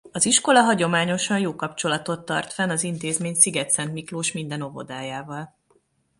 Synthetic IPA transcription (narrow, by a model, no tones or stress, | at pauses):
ɒziʃko̞lɒɦɒɟo̞maːɲo̞ʃɒnjoːkɒp̚t͡ʃo̞lɒt̪o̞t̪ːɒ̰rt̪fɛnɒzint̪eːzmeːɲsiɡɛt̪sɛnt̪mikloːʃmind̪ɛno̞vo̞̰d̪aːjaːvɒl